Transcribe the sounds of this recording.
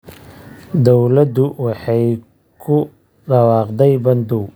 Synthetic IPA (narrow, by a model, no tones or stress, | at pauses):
d̪ɔwlɐd̪ʊwɑħɑj | kʰʊ | ɖɐwɑːqd̪ɛjbɐnd̪uw